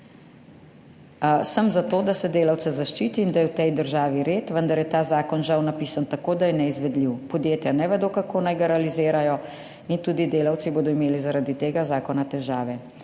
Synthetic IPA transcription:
səmzat̪oːd̪asɛd̪eːlaw̪sɛzaʃt͡ʃiːt̪iːnd̪ajɛwt̪ɛjd̪əɾʒaːʋiɾeːt̪ʋənd̪aɾjɛt̪aːzaːkɔnʒawnapiːsant̪akoːd̪ajɛnɛizʋɛd̪liwpɔd̪jeːt̪janɛʋɛd̪oːkakoːnajɡaɾɛalizeːɾajɔ | int̪uːd̪id̪eːlawt̪siboːd̪ɔimeːlizaɾad̪it̪eːɡazaːkɔnat̪ɛʒaːʋɛ

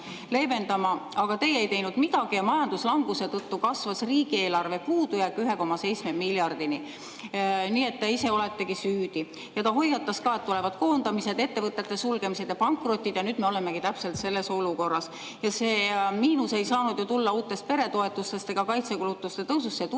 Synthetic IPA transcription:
le̞ve̞nd̪̥ɑmɑɑɡ̥ɑt̪e̞je̞jt̪e̞jnud̪mid̪̥ɑɡ̥ijɑmɑjɑnd̪̥uslɑŋɡ̥use̞t̪ɤt̪ːukɑsvɑsriːɡ̥ie̞ːlɑrve̞puːd̪ujækːˑyɦe̞ko̞mɑse̞jt̪sme̞miljɑrd̪̥ini | niːe̞t̪ːeise̞o̞le̞t̪ːe̞ɡisyːd̪̥i | jɑt̪ɑɦo̞jːɑt̪ːˑɑskɑet̪ːule̞vɑd̪̥ko̞ːnd̪ɑmise̞d̪e̞t̪ːevɤt̪ːˑe̞t̪ːˑe̞sulɡ̥e̞mise̞d̪̥jɑpɑŋkˑro̞t̪ʲːˑid̪̥jɑnyːd̪̚me̞o̞le̞mːe̞kit̪æpse̞lt̪se̞lːe̞so̞luko̞rːɑs | jɑseːmiːnuse̞jsɑːnud̪̥jot̪ulːɑuːt̪ːˑe̞st̪̚pe̞ɾe̞t̪o̞e̞t̪ːˑust̪e̞st̪e̞ɡ̥ɑkɑjt̪se̞kulut̪ːˑust̪e̞t̪ɤwsusːet̪

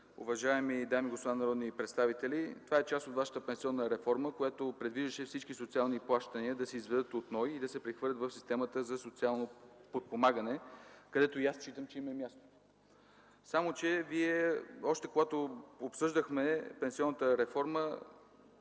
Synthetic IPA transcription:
ʊ̰vɐʒaɛmid̪amiɡospod̪anɐɾɔd̪nipɾɛt̪st̪avit̪ɛlit̪ovaɛt͡ʃast̪ot̪vaʃə̥t̪əpɛnsiɔnːəɾɛfɔɾməkojat̪opɾɛd̪viʒəʃɛfsit͡ʃkisot̪sialˠniplˠaʃt̪əniəd̪ɐsɛizvɛd̪ɤt̪ot̪nɔjid̪ɐsɛpɾɛxvɤəɾlʲət̪vəfsist̪ɛmət̪əzɐsot̪sialˠnopot̪̚pomaɡənɛkɐd̪ɛt̪ojast͡ʃit̪əmt͡ʃɛimɐmʲjast̪o̥ | samot͡ʃɛviɛɔʃt̪ɛkoɡat̪oopsɤʒd̪əxmɛpɛnsiɔnːət̪əɾɛfɔɾmə

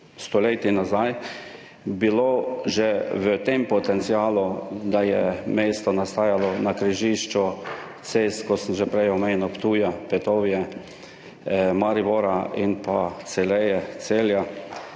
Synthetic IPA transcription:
st̪ɔleːt̪inazaj | biloʒɛʋət̪empɔt̪ɛnt̪sijaːlud̪ajɛmeːst̪ɔnast̪aːjalɔnakɾiʒiʃt͡ʃu | t̪seːst̪kosəmʒɛpɾɛjɔmeːnuwpt̪uːjapɛt̪oːʋjɛ | maɾiboɾainpasɛlɛjɛseːlja

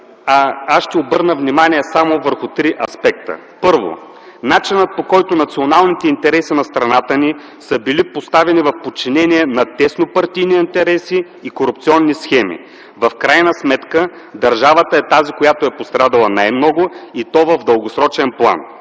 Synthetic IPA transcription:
aasʃt̪ɛobɤɾnəvnimaniɛsamovəɾxʊt̪ɾiʔɐspɛk̚t̪ə̰ | pɤɾvo̰ | nat͡ʃinət̪̚pokɔjt̪ʊnɐt̪sionalˠnit̪ɛint̪ɛɾɛsinɐst̪ɾɐnat̪əni | səbilipost̪avɛnivɐfpot̚t͡ʃːinɛniɛnɐt̪ɛsnopɐɾt̪ijniint̪ɛɾɛsiː | koɾupt̪siɔnːisxɛmḭ | vɐfkɾajnəsmɛt̪kə | d̪ɐɾʒavət̪əɛt̪azikojat̪oɛpost̪ɾad̪ɐlˠənajmnɔɡʊit̪ɔvɐvd̪əlˠɡosɾɔt͡ʃɛnplˠa̰n

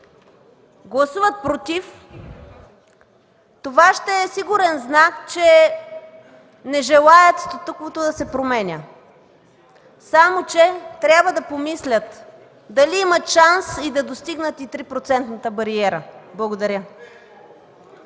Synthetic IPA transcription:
ɡlˠɐsuvət̪̚pɾot̪if | t̪ovaʃt̪ɛːsiɡuɾɛnznakt͡ʃɛ | nɛʒɛlˠaət̪st̪ot̪okot̪od̪ɐsɛpɾomɛnʲə | samot͡ʃɛt̪ɾʲabvəd̪ɐpomislʲət̪ | d̪ɐliimət̪ʃansid̪ɐd̪ost̪iɡnət̪it̪ɾipɾot̪sɛnt̪nət̪əbɐɾiɛɾəblˠɐɡod̪ɐɾʲə

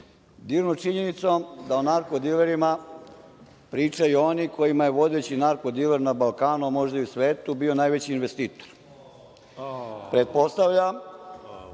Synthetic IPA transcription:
d̪iːʋnot͡ʂiɲe̞nit̪sod̪aonaɾkod̪ileɾima | pɾiːt͡ʂajuo̞niko̞jimajeʋo̞d̪et͡ɕinaɾko̞d̪ileɾnabalˠkaːnumo̞ʒd̪aiusʋe̞ːt̪ubio̞najʋet͡ɕiːnʋest̪iːt̪oɾ | pɾe̞t̪̚po̞st̪aʋʎa

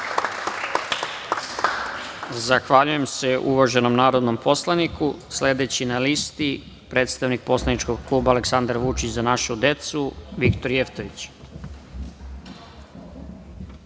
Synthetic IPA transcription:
zaxʋaʎuje̞mse̞ʔuʋaʒe̞no̞mnaːɾo̞d̪no̞mpʰo̞slˠanikʰusle̞d̪et͡ɕinalist̪i | pɾe̞ːt̪st̪aʋnik̚po̞slˠanit͡ʃko̞ɡklˠuːbaːleksand̪ɾʋut͡ʃit͡ɕzanaʃud̪e̞t̪suʋikt̪o̞ɾjeft̪o̞ʋit͡ɕ

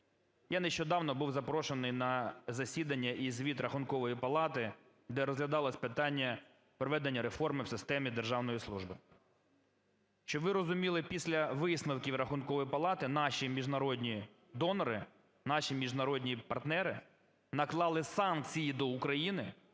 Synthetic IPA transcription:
janeʃt͡ʃɔd̪ɑwnɔbuwzɐpɾɔʃenɪjnɐzɐsʲid̪ɐnʲːɐʔizʲʋʲit̪ɾɐxʊnkɔʋɔjipɐlˠɑt̪ɪ | d̪ɛɾɔzɦlʲɐd̪ɑlˠɐsʲpɪt̪ɑnʲːɐ | pɾɔʋɛd̪enʲːɐɾefɔrmɪwsɪst̪ɛmʲid̪erʒɑwnɔjislˠuʒbɪ | ʃt͡ʃɔʋɪɾɔzʊmʲilˠɪpʲisʲlʲɐʋɪsnɐwkʲiwɾɐxʊnkɔʋɔjipɐlˠɑt̪ɪnɑʃimʲiʒnɐɾɔdʲnʲi | d̪ɔnɔɾɪ | nɑʃʲimʲiʒnɐɾɔdʲnʲipɐrt̪nɛɾɪ | nɐklˠɑlˠɪsɑnk̚t͡sʲijid̪ɔukɾɐjinɪ

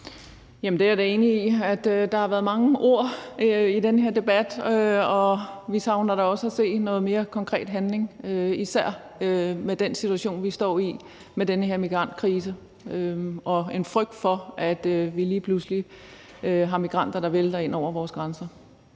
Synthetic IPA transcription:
jæmn̩d̥eæɐɾee̝ːniiæd̥d̥ɑ̈hɑ̈ʋæːɐðˠmɑ̈ŋəʔo̝ɐ̰id̥enəɦe̝ɐ̰d̥e̝b̥æd̥øɒ̽ʋisɑ̈ʊnɐɾ̥ɑɒ̽səæse̝̰ːnɔ̽ːð̞̩ˠme̝ːɐkʰɒ̽ŋkʰʁɛ̰ːd̥ɦænle̝ŋøisæɐ̰ | ømed̥ensit͡sʰuæɕo̝̰ːnʋisd̥ɒ̰ːi | med̥enəhe̝ɐ̰miɡ̥ʁɑ̈n̰d̥̚kʰʁiːs̬ə | øʔɒ̽e̝nfʁœɡ̥̚d̥fɒ̽æd̥ʋiliːpʰlusli | øɦɑ̈miɡ̥ʁɑ̈n̰d̥ɐd̥ɑ̈ʋeld̥ɐe̝n̰ɒʊ̰ɐʋɒːsɡ̥ʁɑnsɐ

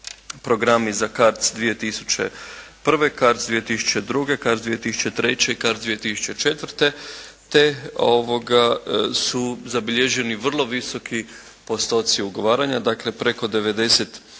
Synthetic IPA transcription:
pɾo̞ɡɾamizakaɾt̪d̪ʋije̞t̪isu̥t͡ɕe̞̰ | pr̩ʋe̞kaɾt̪d̪ʋije̞t̪isu̥t͡ɕe̞d̪ɾuɡe̞kaɾt̪d̪ʋije̞t̪isu̥t͡ʃe̞t̪ɾe̞t͡ɕe̞ikaɾt̪d̪ʋije̞t̪isu̥t͡ʃe̞t͡ʃe̞t̪ʋr̩t̪e̞ | t̪e̞o̞ʋo̞ɡasuzabiʎeʒeniʋr̩lˠo̞ʋiso̞kʰi | po̞st̪o̞t̪siuɡo̞ʋaːɾaɲad̪akle̞pɾe̞ko̞d̪e̞ʋe̞d̪e̞se̞t̪

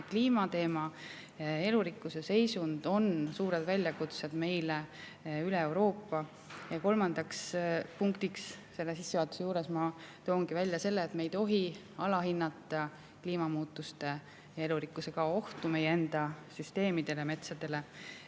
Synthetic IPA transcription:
kliːmɑt̪e̞ːmɑ | e̞luɾikːˑuse̞se̞jsund̪̥o̞nsuːɾe̞d̪vælʲjɑkut̪sed̪̥me̞jle | yle̞ewɾo̞ːpːɑ | jɑko̞lmɑnd̪̥ɑkspuŋkt̪iksse̞lːesisːevɑːt̪ˑu̥sejuːɾe̞smɑt̪o̞ːŋɡ̥ivælʲjɑse̞lːeːt̪me̞jt̪o̞ɦi | ɑlɑɦinːɑt̪ːˑɑ | kliːmɑmuːt̪ːˑust̪e̞ | jɑe̞luɾikːˑuse̞kɑo̞ht̪ume̞jee̞nd̪̥ɑsyst̪e̞ːmid̪̥e̞leme̞t̪sɑd̪̥e̞le̞

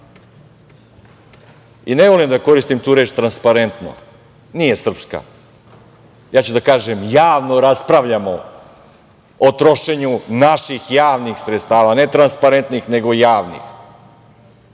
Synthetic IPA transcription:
ine̞ʋo̞limd̪ako̞ɾist̪imt̪uːɾeːt͡ʃt̪ɾanspaɾe̞nt̪no̰ | nije̞sr̩pska̰ | jaːt͡ɕud̪akaːʒe̞mjaːʋno̞ɾaspɾaʋʎamo | ot̪ɾo̞ʃe̞ɲunaʃixjaːʋnixsɾet̪st̪aːʋane̞t̪ɾanspaɾe̞nt̪nixne̞ɡo̞jaːʋnḭx

